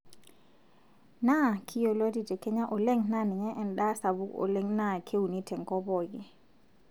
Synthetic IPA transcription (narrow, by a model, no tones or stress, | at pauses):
nakʰijɔloditɛkɛɲaʔɔlɛŋnanɛɲɛʔɛnɗasabuʔɔ̰leŋnakʰewunitʰɛŋkɔbɔɡɛ